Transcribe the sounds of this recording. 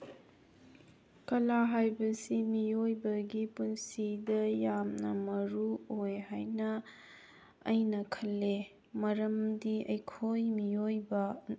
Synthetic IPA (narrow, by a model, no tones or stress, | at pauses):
kɐlaɦajbɐsimijojbɐɡipunsidɐjamnɐmɐɾuojɦajnɐ | jnɐkʰɐlːe | mɐɾɐmdiɐjkʰojmijojbɐ